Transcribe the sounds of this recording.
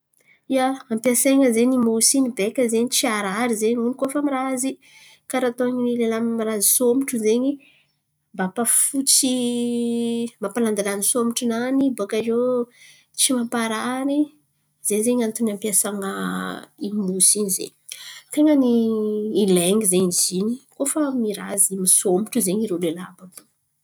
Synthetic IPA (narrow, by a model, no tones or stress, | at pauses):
iaampjaseŋəzenimusinibekʲəzeɲit͡siaɾaɾizeɲunikofamiɾazi | kaɾat̪oaɲinilelamiɾazisomiʈ͡ʂuzeɲi | mbapafut͡si | mapaland̪alanisomiʈ͡ʂunanibokazo | t͡simapaɾani | z̥eɲzeɲant̪unampjasaŋa̰imusiɲizḛ | t̪eŋəniː | leŋizeizinikofəmiɾa̰zimisomuʈ͡ʂuzeɲiɾelelababu